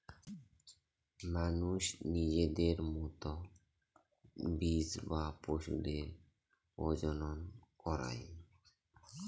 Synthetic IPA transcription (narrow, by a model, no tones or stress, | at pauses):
manuʃnid͡ʑed̪eɾmut̪ɔ | bisbapoʃṵd̪eɾ | od͡ʑɔnɔnkɔɾa̰j